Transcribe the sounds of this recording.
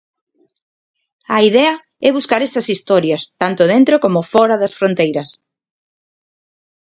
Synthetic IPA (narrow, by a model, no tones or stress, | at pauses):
ɐiðɛɐ | ɛβuskaɾɛsɐsist̪ɔɾjɐst̪ant̪ʊðent̪ɾokomofɔɾɐðɐsfɾont̪ejɾɐs